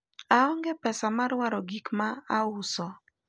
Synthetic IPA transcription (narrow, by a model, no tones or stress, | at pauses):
aɔŋɡepɛsamaɾwaɾɔɡikmaaʊsɔ